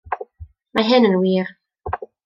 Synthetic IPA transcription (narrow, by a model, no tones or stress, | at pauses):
majɦɛnənwiːɾ